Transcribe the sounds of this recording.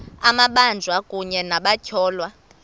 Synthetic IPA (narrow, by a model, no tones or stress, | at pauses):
amaɓand͡zʱwakʼuɲɛnaɓacʰɔːlwa